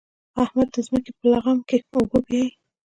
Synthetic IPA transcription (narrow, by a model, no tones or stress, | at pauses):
ahmad̪̚ːəzməkepəlaɣamkeobobi